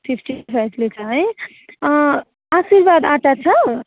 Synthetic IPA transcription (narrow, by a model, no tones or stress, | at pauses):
pʰipʰʈipʰajblet͡sʰaɦẽ | asiɾbad̪ãʈat͡sʰʌ